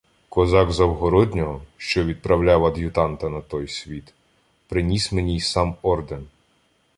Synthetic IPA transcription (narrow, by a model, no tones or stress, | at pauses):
kɔzɑɡzɐwɦɔɾɔd̪ʲnʲɔɦɔʃt͡ʃɔʋʲid̪̚pɾɐwlʲaʋɐd̪ʲjʊt̪ɑnt̪ɐnɐt̪ɔjsʲʋʲit̪ | pɾɪnʲisʲmenʲijsɑmɔrd̪en